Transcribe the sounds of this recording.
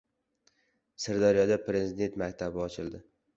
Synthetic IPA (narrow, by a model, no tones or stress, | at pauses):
sɪɾd̪ɒɾjɒd̪apɾe̞zid̪e̞nt̪mak̚ʲt̪ʰabɪɒt͡ʃʰɪlˠd̪ɪ